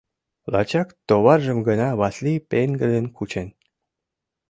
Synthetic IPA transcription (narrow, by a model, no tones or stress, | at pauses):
lɑ̰t͡ɕɑkt̪oβɑrʒə̆mɡə̆nɑβɑslipenɡəd̪ənkut͡ɕen